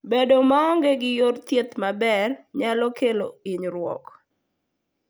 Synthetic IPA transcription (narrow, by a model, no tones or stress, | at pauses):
bedomaɔŋɡeɡɪjort̪jet̪mabɛrɲalɔkʰeloiɲɾwɔ̰k